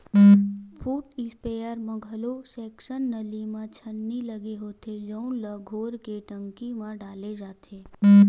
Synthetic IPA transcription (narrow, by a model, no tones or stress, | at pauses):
pʰuːʈɪspejəɾmə̃ɡʱəlosɛːkʃənːəlimãt͡ʃʰənːiləɡeɦoːt̪ed͡ʒə̃ũləɡʱoːɾkeʈə̃ŋkimãɖaːled͡ʒaːt̪ʰe